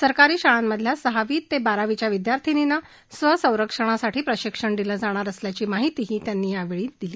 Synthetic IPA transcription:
səɾkaɾiːɕaɭamːəd̪ʱljasəɦaʋiːt̪ːebaɾaʋit͡ɕjaʋid̪jaɾt̪ʰinina | sʋəsə̃w̃ɾəkʂəɽ̃asaʈʰiːpɾəɕikʂəɳɖ̪iləːd͡zaɽ̃aɾəsljat͡ɕiːmaɦit̪iːɦiːt̪janːiːjaʋeɭiːd̪̥iliː

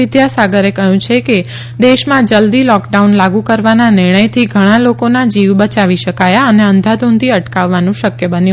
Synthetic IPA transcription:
ɪd̪jasaɡəɾekəɦjũt͡ʃʰeke | d̪eʃmãd͡ʒəld̪ilɔkɖaunlaɡũkəɾʋananɪɾɳ̃əjt̪ʰiɡʱəɽ̃alokonad͡ʒiʋbət͡ʃaʋiʃəkajaəneə̃nd̪ʱad̪unt̪ʰiəʈkaʋːanũʃəkjəbənijũ

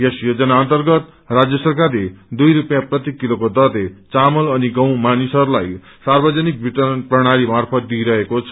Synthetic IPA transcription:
jesjod͡zʌnaʌnt̪ʌrɡʌt̪̚ | rad͡zjʌsʌrkarled̪ujɾupjãprʌt̪ikːilokod̪ʌlet͡samʌlʌniɡʌw̃manisʌɾulaj | sarbʌd͡zʌnik̚bʱit̪ʌnprʌɽ̃aɾimarpʰʌt̪̚d̪ijɾʌɦekot͡sʰʌ

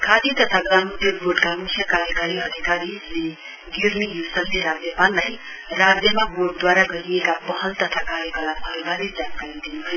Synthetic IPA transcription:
kʰad̪it̪ʌt̪ʰaɡʌlamud̪ʱjeboɖkamukʰjʌkaɾjʌkaɾiɦʌd̪ʱikaɾile | ɡirnijusʌnːeɾad͡zjʌpanlːaj | rad͡zjʌmaboɖ̚d̪waɾaɡʌɾiekapʌɦʌlt̪ʌt̪ʰakaɾjʌkʌlabʱʌlɡaɾed͡zankaɾid̪inuɦʌjo

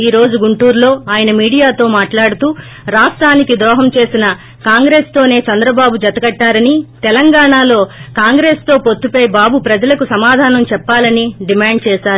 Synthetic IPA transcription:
iːɾo̞ːd͡ʒuɡuɳʈuːɾlo̞ːaːjɐnɐmiːɽijaːt̪o̞ːmaːʈlaːɽut̪uː | ɾaːsʈɾaːnikid̪ɾɔːɦɐmt͡ʃe̞ːsinɐ | kaːŋɡɾe̞ːst̪o̞ːne̞ːt͡ʃɐnd̪ɾɐbaːbud͡ʒɐt̪ɐɡɐʈːaːɾɐnit̪ɛlɐŋɡaːɳaːlo̞ːkaːŋɡɾeːst̪o̞ːpo̞t̪ːupɐjbaːbupɾɐd͡ʒɐlɐkusɐmaːd̪ʱaːnɐmt͡ʃɛpːaːlɐniɖimaːɳɖt͡ʃɛːʃaːɾu

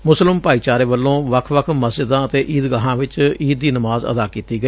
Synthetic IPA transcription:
mʊslɪmpaːiːt͡ʃaːɾeːʋəlːõːʋəkʰʋəkʰməsd͡ʒɪd̪ãːət̪eːʔiːd̪ɡaːɦãːʋɪt͡ʃiːd̪̚ːiːnəmaːzə̰d̪aːkiːt̪iːɡəi

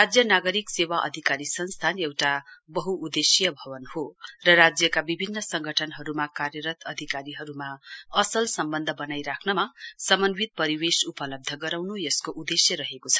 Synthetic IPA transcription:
rad͡zjʌnaɡʌɾiksewaʔʌ̰d̪ʱikaɾisʌnst̪ʰanewʈabʌɦuʔːd̪esjʌbʱʌbʌnhorʌrad͡zjʌkabibʱinːʌsʌŋɡʱʌʈʰʌnɦʌɾumakarjʌɾʌt̪ʰʌd̪ʱikaɾiɦʌɾumaʌsʌlsʌmbʌnd̪ʱʌbʌnajɾakʰnʌmasʌmʌnwit̪̚pʌɾiwesupʌlʌb̚d̪ʱʌɡʌɾawnujʌskoʔud̪esjʌɾʌɦekot͡sʰʌ̥

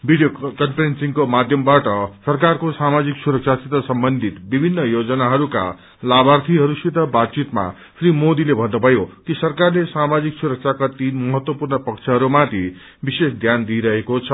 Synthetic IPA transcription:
bʱiɖijokʌnpʰɾensiŋkomad̪ʱjʌmbaʈʌsʌrkarkosamad͡ziksuɾʌk̚t͡sʰasit̪ʌsʌmbʌnd̪ʱit̪bibʱinːʌjod͡zʌnaɦʌɾuka̰ | labart̪ʰiɦʌɾusit̪ʌbat̪t͡sit̪ma̰ | pʰrimod̪ilebʱʌnːobʱʌjokisʌrkarlesamad͡ziksuɾʌk̚t͡sʰakat̪inmʌɦʌt̪wʌpurnʌpʌk̚t͡sʰʌɦʌɾumat̪ʰi | bisesd̪ʱjand̪iɾʌɦekot͡sʰʌ

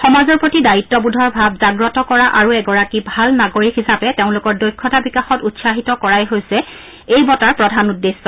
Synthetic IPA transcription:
xɔmazɔɹpɹotidaɹitːɔbudʱɔɹbʱabzaɡɹɔtɔkɔɹaʔaɹuɛɡɔɹakibʱalnaɡoɹikɦisapɛteʊ̃lʊkɔɹdojkʰːɔtabikaxɔtutsaɦitɔkɔɹajɦojsɛ | ejbɔtaɹpɹɔdʱanudːesːɔ

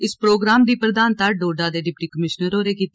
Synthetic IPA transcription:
ɪspɾoːɡɾaːmd̪iːpɾəd̪aːnt̪aːɖoːɖaːd̪eːɖɪpʈiːkəmɪʃnəɾoːɾeːkiːt̪

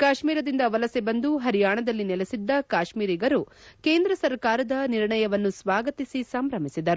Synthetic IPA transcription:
kaːʃmiːɾɐd̪ind̪ɐʋɐlɐsebɐnd̪uɦɐɾijaːɳɐd̪ɐlːinɛlesid̪ːɐkaːʃmiːɾiɡɐɾu | keːnd̪ɾɐsɐɾkaːɾɐd̪ɐniɾɳɐjɐʋɐnːusʋaːɡɐt̪isisɐmɾɐmisid̪ɐɾu

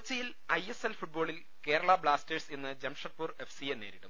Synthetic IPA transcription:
ut͡ɕːɐjil | ɐje̞selfuʈ̚bo̞ːɭil | ke̞ːɾɐɭɐbɭaːsteʈsenːɨd͡ʑemʂɐt̪̚puːre̞fsienːeːɾiɽum

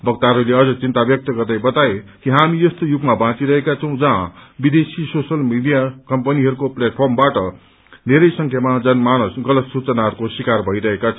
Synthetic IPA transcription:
bʱʌk̚t̪aɦʌɾuleʌd͡zʌt͡sint̪abjʌk̚t̪ʌɡʌrd̪ajbʌt̪aekiɦamijʌst̪ojuɡmabãt͡siɾʌɦekat͡sʰʌw̃d͡zʌɦãbid̪esisosʌlmiɖijakʌmpʌniɦʌɾukopleʈ̚pʰʌrmbaʈʌ | neɾʌjsʌŋkʰjamad͡zʌnmanʌsɡʌlʌt̪sut͡sʌnaɦʌɾukosikarbʱʌiɾʌɦekat͡sʰʌ̃

